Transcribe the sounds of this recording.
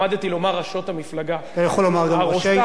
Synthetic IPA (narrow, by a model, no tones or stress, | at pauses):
ad̪t̪ilo̞maʁaʃo̞tamiflaɡatajaχolːomaʁɡamaʁoʃe